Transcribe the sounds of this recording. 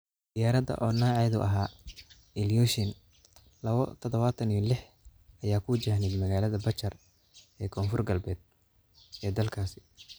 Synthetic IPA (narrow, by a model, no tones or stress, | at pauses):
d̪̥ɪjaːɾɐd̪ɐ̰ʔɔːnaːʕɛjðʊ̰ʔɐɦaː | ɪljɔːʃɪn | lɐβɔ̰t̪ʰɔðɔβaːt̪ʰɐnijɔlɪħ | ɐjaːkʰʊd͡ʒɐhnɪd̪mɐɣaːlɐðɐbɐt͡ʃɐr | ɛːkʰɔːnfʊrɡɐlbɛːd̪̚ | ɛːd̪ɐlkʰaːsɪ̥